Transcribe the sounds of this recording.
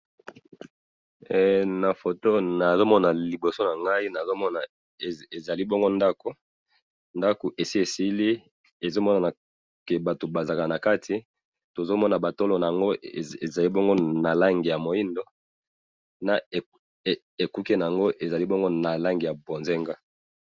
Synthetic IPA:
na˨fo˨to˦na˨zo˦mɔ˦na˨li˨bo˨so˦na˨ŋɡa˦i˦na˨zo˦mɔ˦na˨ | e˨e˨za˨li˦bo˦ŋɡo˦nda˦ko˨ | nda˦ko˨ʔe˨si˦e˨si˦li˦ | e˨zo˦mɔ˦na˨na˨ | ke˨ba˨to˨ba˨za˨ka˨na˨ka˦tʰi˨ | to˨zo˦mɔ˦na˨ba˨to˦lo˦na˨a˨ŋɡo˦˨e˨za˨li˦bo˦ŋɡo˦na˨la˦ŋɡi˨ja˨mo˨ji˦ndo˦ | na˨ | e˨ku˦ke˦na˨a˨ŋɡo˦ʔe˨za˨li˦bo˦ŋɡo˦na˨la˦ŋɡi˨ja˨bo˨nze˦ŋɡa˦

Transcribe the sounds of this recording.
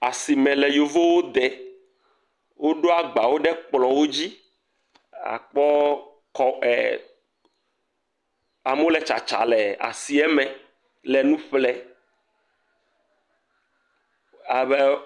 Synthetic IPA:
a˨si˨mɛ̃˨lɛ˨jo˨vo˦wo˦d̪ɛ˨ | wʔo˦ɖo˦a˨ɡ͡ba˨wo˦ɖɛ˦k͡plɔ˨wo˦d͡ʑi˦ | a̰˨k͡pɔ˦ | kɔ˦ɛ˨ | a˨m˦wo˦lɛ˨t͡ʃa̰˨t͡ʃa̰˨lɛ˨a̰˨si˨ɛ˦mɛ̃˨ | lɛ˨nũ˦ɸlɛ˦ | a˨βɛ˦

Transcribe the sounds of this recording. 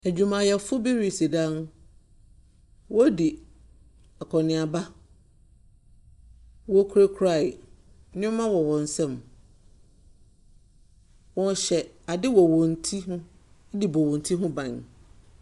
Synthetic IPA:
æ˨d͡ʑᶣu˨mã˨jɛ˨fʊ˦bi˦ɾi˨si˨dã˦n˦ | wɔ˦di˨ | ɛ˨kʰɔ˨nɪ̃˨a˨ba˦ | wɔ˦kʰɾe˦kʰɾa˦˨ɪ˨˦ | nɪ̃˦mã˦wɔ˨wɔ̃˨n̩˨sɛ̃˦˨m | wɔ̃˦n˦ɕɛ˨ | a˨dɪ˦wɔ˨wɔ̃˨n˨tʰi˦hʊ̃˦ | di˨bɔ˨wɔ̃˨n˨˦tʰi˦ɦʊ̃˦bã˨n

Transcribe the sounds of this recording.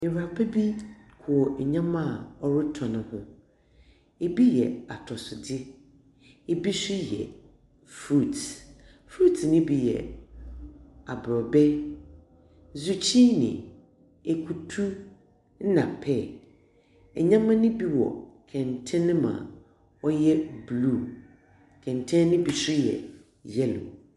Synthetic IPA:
ɪ˨ɾa˨pʰɛ˦bi˦kʰʊ˨ɔ˨ɲã˦mã˦˨ɔ˨ɾʊ˦tʰɔ˨nʊ̃˨˦hʊ̃˦ | e˨bi˦jɛ˨a˨tʰɔ˨sʊ˨dɪ˦ | e˨bi˦sʊ˦jɛ̰˨ | fɾu˦˨t | fɾu˦tʰnɪ̃˦bi˦jɛ̰˨ | a˨bɾɔ˨bɛ˦ | zu˦t͡ɕʰi˦nɪ̰̃˨ | e˨kʰu˨tʰu˦ | n̩˦nã˨pʰɛ˦˨ | ɛ˨ɲã˦mã˦nɪ̃˦bi˦wɔ̰˨kʰɛ̃˨ntʰɛ̃˦ñ˦mã̰˨ | ɔ˦jɛ˦blu˦˨ | kʰɛ̃˨ntʰɛ̃˦n˦nɪ̃˦bi˨sʊ˦jɛ̰˨ | jɛ˦lʊ̰˨

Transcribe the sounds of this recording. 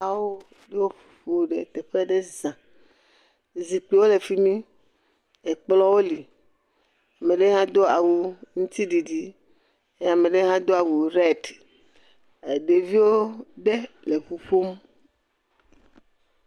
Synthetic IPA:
a˨wo˦ | ɖe˦wo˦ɸu̥˨ɸo˦ɖḛ˨t̪e˨ɸe˦ɖe˦zã˨ | zi˨k͡pe˨wo˦le˨fi˦mĩ˦ | e˨k͡plɔ˦wo˦li˨ | a˨mẽ˨ɖe˦ɦã˦d̪o˦a˨wu˨ŋũ˦t̪i˦ɖi˨ɖi˦ | e˦a˨me˨ɖe˦ɦã˦d̪o˦a˨wu˨ɾɛ˦t | e˨ɖe˨vi˦wo˦ɖe˦ | le˨ɸu˨ɸo˦m

